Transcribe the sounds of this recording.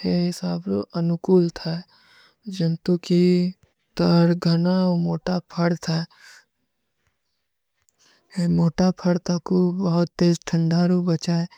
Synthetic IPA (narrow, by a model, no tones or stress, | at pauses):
heɦɪsaːbɾo̰ʔɐnʊkuːlt̪ʰa | d͡ʒənt̪uki | t̪əɾɡʱɐnaomoːʈapʰəɽt̪ʰa | emoːʈapʰəɽt̪akobɐɦʊt̪ːeːzʈʰə̃ɳɖaɾobɐt͡ʃaːe